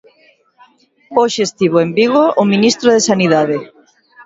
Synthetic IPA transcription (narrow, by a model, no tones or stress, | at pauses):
oʃest̪iβoembiɣoʔːminist̪ɾoðesaniðaðe